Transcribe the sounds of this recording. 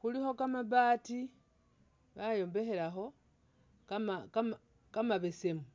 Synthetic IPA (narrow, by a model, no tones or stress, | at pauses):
xulixo̞kamaβaːti | βajo̞ːmbe̞xe̞laxo̞ | kamakam | kamaβese̞mu